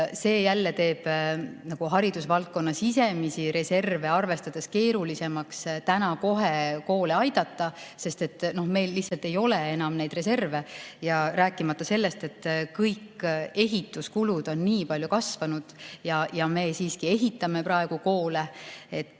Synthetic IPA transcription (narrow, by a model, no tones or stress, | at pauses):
se̞ːjælːe̞t̪e̞ːb̥nɑɡ̥uɦɑɾid̪̥usvɑlt̪̚ko̞nːɑsise̞misiɾe̞se̞rve̞ɑrve̞st̪ɑd̪̥e̞ske̞ːɾulise̞mɑkst̪ænɑko̞ɦe̞ko̞ːle̞ɑjd̪̥ɑt̪ˑːɑse̞st̪e̞t̪ːˑno̞hme̞jlːihtsɑlt̪e̞jo̞le̞e̞nɑmnejd̪̥re̞se̞rve̞jɑræːkˑːimɑt̪ːɑse̞lːe̞st̪e̞t̪ːkɤjkːe̞ɦit̪ːˑuskulud̪̥o̞nːiːpɑlʲjukɑsvɑnud̪̥jɑjɑme̞ːsiːskie̞ɦit̪ːˑɑme̞prɑe̞ɡ̥uko̞ːle̞e̞t̪ː